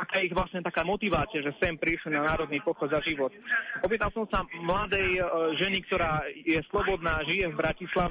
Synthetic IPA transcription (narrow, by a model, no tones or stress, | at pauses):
akajɛiɣʋlasɲɛt̪akaːmɔt̪iʋaːt͡siaʒɛsɛmpɾisɛnanaːɾɔd̪niːpɔxɔzaʒiʋɔt̪ɔp̬iːt̪alsɔmsamlad̪ɛjʒɛnikt̪ɔɾaːjɛslɔbɔd̪naːʒijɛvbɾacislaʋ